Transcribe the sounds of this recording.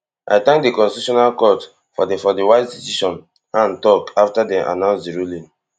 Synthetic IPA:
ʔa̰ɪtãŋk̚dikɔ̃nstituʃɔnalkɔt | fɔdfɔdiwaɪzdisiʃɔ̃n | ãntɔkaftadɛ̃mʔa̰nãʊ̃nsdiɹulĩn

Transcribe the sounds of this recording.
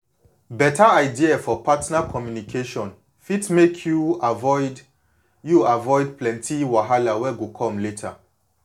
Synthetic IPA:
bɛtʰaaɪdiafɔpatnakʰɔmjunikʰeʃɔ̃n | fitmekʰjuavɔɪd | juavɔɪdplɛ̃ntʰiwaɦalawɛɡukʰɔ̃mletʰa̰

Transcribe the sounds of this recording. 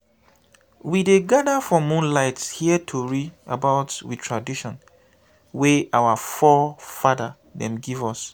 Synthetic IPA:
wideɡadafɔmũnlaɪtshiətʰoɹida̰baʊtwitʰɹadiʃɔ̃n | weʔawafɔfada | ðɛ̰̃mɡivɔs

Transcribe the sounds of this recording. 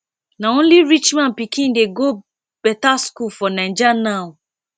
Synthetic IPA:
naõnliɹit͡ʃmãnpikĩndeɡo | b̥ɛtaskulfɔnãɪ̃d͡ʒanaʊ

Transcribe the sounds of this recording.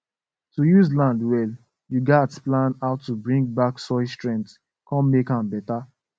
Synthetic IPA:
tujuzlãndwɛl | juɡatplãnaʊtːubɹĩŋɡ̚baksɔɪstɹɛ̃nts | kɔ̃mmekãmbɛta

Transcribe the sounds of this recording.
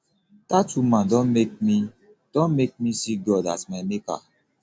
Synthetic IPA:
tatumãdɔ̃nmek̚mi | d̥ɔ̃nmek̚misiɡɔda̰tmameka̰

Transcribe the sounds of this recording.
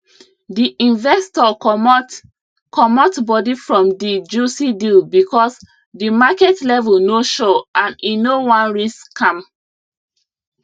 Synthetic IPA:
diʔĩnvɛstɔ | kʰɔmɔtbɔdifɹɔ̃mdid͡ʒusidilbikʰɔs | dimakɛtlɛvɛlnoʃɔʔãninowɔ̃nɹiskãm

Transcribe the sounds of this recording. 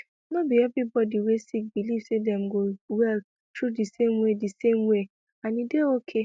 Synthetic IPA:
nõbiɛvibɔdiwesik̚bilifsedɛ̃mɡowɛl | tʰɹudisemwedisemwe | anĩdeokʰe

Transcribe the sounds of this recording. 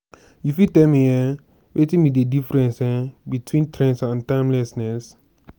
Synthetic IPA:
jufitɛlmijɛ | wetĩmidedifɹɛ̃nsɛbitwĩntʰɹɛ̃nsãntãɪ̃mlɛsnɛs

